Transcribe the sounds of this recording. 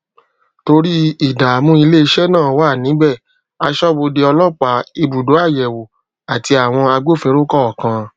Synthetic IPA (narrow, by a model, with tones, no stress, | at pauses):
to˧ɾi˦i˦˨da˨mũ˦i˧le˦i˧ʃɛ˦nãː˦˨waː˦˨nĩ˨˦bɛ˦˨ | a˧ʃɔ˦bo˧de˧ɔ˧lɔ˦k͡pa˨˦i˧bu˨do˨˦a˦˨jɛ˨wo˨ | a˨ti˧a˨w̃ɔ̃˧a˧ɡ͡bo˦˨fĩ˧˦ɾo˦kɔ˦ɔ˨kã˧